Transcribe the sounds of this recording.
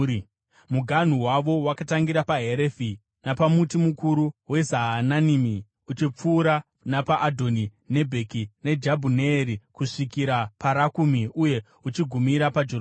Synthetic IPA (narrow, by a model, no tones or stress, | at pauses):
muɡʱan̤uwaʋo̞wakataŋɡiɾapaɦe̞ɾefi | napamutimukuɾuwe̞zaɦːnanimi | ut͡ʃip͡fuːɾa | napaʔːdʱo̞ni | ne̞bʱe̞kine̞d͡ʒabʱuneːɾikuʂikiɾapaɾakumiuje̞ | ut͡ʃiɡʱumiɾapad͡ʒoo